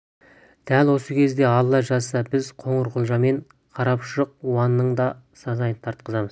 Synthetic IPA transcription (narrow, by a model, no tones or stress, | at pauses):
d̪̥ælwo̞səkʲʰe̞zd̪e̞ɑlˠːɑʒɑzsəbɪzqʰo̞ɴəɾqʰʊlˠʒɑme̞ɴ | qʰɑɾɑpʃəq̚wɑnːəɴd̪ɑ | sɑzɑjənt̪ʰɑɾt̪̚qəzɑməz